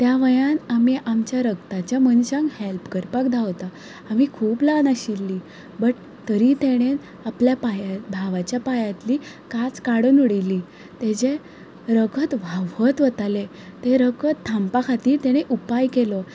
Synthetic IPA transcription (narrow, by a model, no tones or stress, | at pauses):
t̪jaʋəjanamiʔamt͡ɕjaɾəɡt̪at͡ɕjamənɕãŋkhelpkəɾpakd̪ʱaʋt̪aː | mikʰuːplanaɕilːi | bəʈ | t̪əɾit̪eɽ̃e | apljapajabʱaʋat͡ɕjapajat̪liː | kat͡skaɽənuɽilːiː | t̪ed͡ʑe | ɾəkʰət̪ʋʱaʋət̪ʋət̪ale | t̪eɾəkət̪ʰːampakʰat̪iːɾt̪ɛɽ̃eʔupajkelɔ